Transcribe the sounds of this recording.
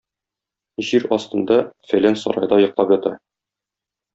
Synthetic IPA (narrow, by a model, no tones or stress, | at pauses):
ʑiɾɒst̪ɤ̆nd̪ɑfælænsɒ̰ɾɑ̰jd̪ɑjɤ̆qlˠɑpjɒt̪ɑ